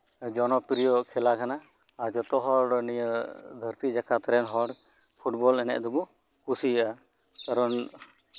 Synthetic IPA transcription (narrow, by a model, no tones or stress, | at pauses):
d͡ʒɔnɔpiɾijɔkʰɛlakʰanaː | d͡ʒɔt̪ɔɦɔɖnijəd̪ʱəɾt̪id͡ʒakat̪ɾɛnɦɔɽ | pʰuʈbɔlɛnɛ̰ʔd̪ɔbɔ | kusijaʔa | kaɾɔn